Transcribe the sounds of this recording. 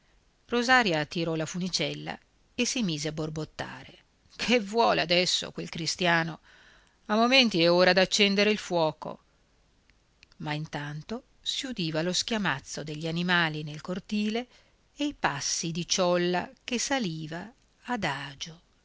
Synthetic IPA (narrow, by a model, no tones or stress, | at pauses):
rozaːɾjat̪iɾɔlafunit͡ʃɛlːa̰ | esimiːzeabːorbot̪ːa̰ːɾe | kʰevːwɔːlead̪ɛsːo̰kwelkɾist̪jaːno | amːoment̪iɛoːɾad̪at͡ʃːɛnd̪eɾeilfwɔːko̰ | maint̪ant̪o | siud̪iːvalosk̟jamat̪sːod̪eʎːanimaːlinelkort̪iːle | ejpasːid̪it͡ʃɔlːa̰kesaliːvaː | d̪aːd͡ʒo